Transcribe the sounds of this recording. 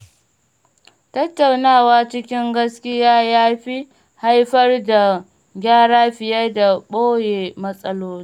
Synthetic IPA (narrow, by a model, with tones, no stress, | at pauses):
tɐ˦tːa˨wnaː˦˨waː˦t͡ʃɪ˦kʲɪ˦ŋɡɐ˦skʲɪ˦jaː˦jaː˦ɸi˦ | ha˦jɸɐ˦rda˨ | ɡʲaː˦ɽaː˦ɸɪ˨jɐ˦da˨ɓoː˦jeː˨mɐ˦sʼɐ˦loː˦ni˦